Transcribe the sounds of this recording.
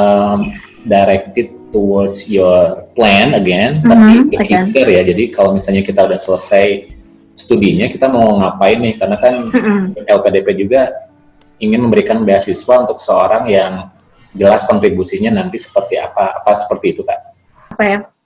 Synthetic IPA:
əm | dajɾɛk̚t̪ɪt̪uwɔdsjɔrplɛnəɡɛnt̪apibəhit̪ərjad͡ʒadikalomisalɲakit̪audahsələsaj | st̪udiɲakit̪amauŋapainɪhkarənakanɛlkadeped͡ʒuɡa | iŋɪnməmbəɾikanbeasisuaunt̪ʊksəoɾaŋjaŋ | d͡ʒəlaskɔnt̪ɾibusiɲanant̪isə̥pərt̪ia̰paːpasə̥pərt̪iːt̪ukaʔ | apaja

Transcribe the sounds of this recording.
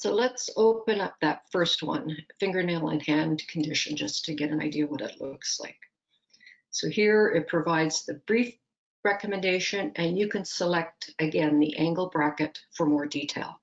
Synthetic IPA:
soʊlətsoʊpɨ̃nʌp̚ðɨtfɜ˞st̚wʌ̰̃nfɪ̃ŋɡə˞neɪlˠə̰̃nhæ̃nkʰn̩dɪʃɨ̃n̩d͡ʒʌstʰɨɡɛɾɨ̃na̰ɪdiɨwʌɾɨ̰tˡlʊksla̰ɪk | soʊhiɹɪt̚pʰɹ̥ɨvaɪdz̥ðɨb̥ɹif | ɹɛkɨmɨ̃ndeɪʃɨ̃nɨ̃njɨkʰɨ̃nsəlɛk̚tɨɡɛ̃nðiʔæ̃ŋɡl̩ˠbɹækɨtfə˞mɔɹditʰeɪlˠ

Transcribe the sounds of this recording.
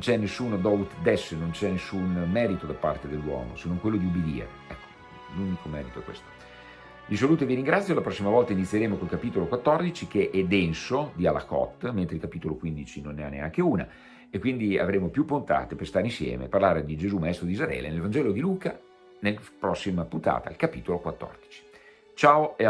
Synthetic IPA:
nont͡ʃɛnːesːuːnod̪ɔut̪d̪ɛsːnont͡ʃɛnːesːunmɛːɾit̪od̪apːa̰rt̪ed̪elːwɔ̰ːmo̰senːoŋkwelːod̪iubed̪ḭːɾḛ | ɛkʰːo̥ | luːnikomɛ̰ːɾit̪oɛkːwḛst̪o̥ | visoluːt̪oeviɾiŋɡɾat̪sːjolapɾɔsːimavɔlt̪ainit̪sjeɾeːmokolkapiːt̪olokwat̪ːɔrd̪it͡ʃikeʔɛd̪ɛnsod̪iala̰kɔ̰t̪ːment̪ɾeilkapiːt̪olokwind̪it͡ʃinonːeanːea̰ŋkeuːna̰ | ekːwind̪ia̰vɾeːmopjupːont̪a̰ːt̪eperst̪aːɾeinsjɛ̰ːmḛparlaːɾed̪id͡ʒezumaɛst̪ɾod̪izaɛ̰ːlḛnelvand͡ʒɛːlod̪iluːka | nelpɾɔsːimapunt̪a̰ːt̪a̰ilkapiːt̪olokwat̪ːɔ̰rd̪̥it͡ʃi̥ | t͡ʃaːoe

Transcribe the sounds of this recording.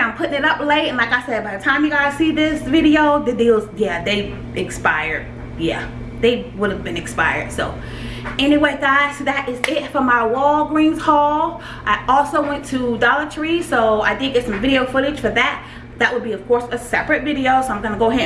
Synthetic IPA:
ãɪ̃mpʰʊɾɪ̃ŋɨɾʌpleɪɾɨ̃nlaɪkaɪsɛbaɪðɨtʰãɪ̃mjɨɡaɨsiðɪsvɪɾioʊðɨdilˠzjæðeɪ | ʔɨkspaɪə̰˞d̥̚ | jæ̰ | ðeɪwʊɾɨvbɨ̃nɨkspa̰ɪə̰˞d̥soʊ | ɛniweɪdaɪtʰɨðɨɾʔɪzɪtfə˞maɪwɔlˠɡɹĩnz̥hɔlˠ | ʔaɪɔlˠsoʊwɛ̃ntʰədɑlˠət͡ʃʰɹisoʊaɪdɪd̚ɡɛtsʌ̃ɱvɪɾioʊfʊɾɨ̥ʒ̥fə˞ðɨt̚ | ðɨʔ̚wəd̚biʌv̥kʰɔɹsɨsɛpɹɨt̚vɪɾioʊsoʊãɪ̃mɡʌ̃nəɡoʊɪ

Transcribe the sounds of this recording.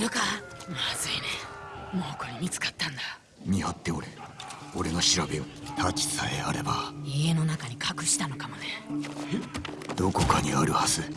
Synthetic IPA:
ɾɯkamazɨinemoːkɯaɲʲimʲit͡sɨ̥kḁt̪ːãnd̪a | ɲʲihat̪ːe̞oɾe | o̞ɾe̞noɕiɾabeoh̪ʰat͡ɕi̥saeaɾe̞baie̞no̞nakaɲ̟ikʰakɯ̟ɕi̥t̪ano̞kamoneed̪̥o̞ko̞kaɲ̟iaɾɯ̟hazɨ

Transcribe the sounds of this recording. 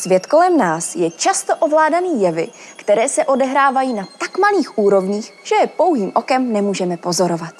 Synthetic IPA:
svjɛt̪ko̞lɛmnaːsjɛt͡ʃast̪o̞ʔovlaːdaniːjɛvɪ̰ | kt̪ɛɾɛːsɛʔo̞dɛɦɾaːvajiːnat̪akmaliːxʔuːɾo̞vɲiːxʒ̥ɛpo̞wɦiːmʔo̞kɛmnɛmuːʒɛmɛpo̞zo̞ɾo̞vat̪̚

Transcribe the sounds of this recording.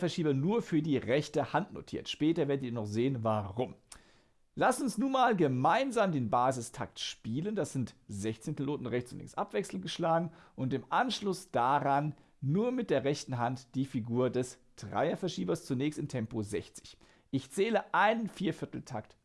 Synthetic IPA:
fɛɐʃiːbɐnuːɐfyːɐdiːʁɛçtəhantno̰tʰḭːɐtʃpɛːtɐveːɐdətiːɐnɔχz̥eːənvaʁʊm | lasʊnsnuːnmaːlɡəmaɪnzaːmdeːnbaːzɪstʰa̰ktʃpiːləndasz̥ɪntz̥ɛçt͡senpʰiloːtn̩ʁɛçt͡sʊntlɪ̰ŋsʔa̰pv̥ɛksl̩nɡəʃlaːɡŋ̩ʔʊntɪmʔanʃlʊsd̥aʁanː | uːɐmɪt̚d̥eːɐʁɛçtn̩ɦantd̥iːfiɡuːɐdɛsd̥ʁa̰ɪɐfɛɐʃiːbɐst͡sunɛːçstɪmtʰɛmpozɛçt͡sɪ̥ç | ʔɪçt͡sɛːləʔaɪnənfiːɐfɪɐtl̩tʰakt

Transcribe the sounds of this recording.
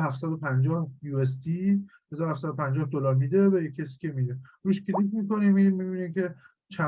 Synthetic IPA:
ɦæft̪sæd̪opʰænd͡ʒɒːhjuːes̬t̪i | he̞zɒːɾohæfsæd̪opænd͡ʒɒːhd̪olɒːɾmiːd̪evæjecʰːesi̥cʰemid̪eɾuʃcʰʲilitmiːko̞niːmiimibiniːmcʰe̞ | t͡ʃʰæ

